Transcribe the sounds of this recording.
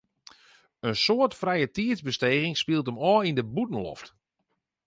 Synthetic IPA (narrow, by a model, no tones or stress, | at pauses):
ənsoətfrɛjətiəzbəsteːɣɪŋspilˠt̬əmɔːindəbutən̩lɔ̰ft